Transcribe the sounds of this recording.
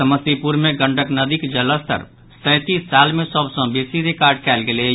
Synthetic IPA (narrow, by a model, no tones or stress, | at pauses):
əməsipuɾmẽɡə̃ɳɖəknɐd̪ikd͡ʒələst̪ə̰ɾ | sɛ̃ːt̪iːsːaːlmẽsəbsɔ̃beːsiɾɪkaːɾɖkɛːlɡele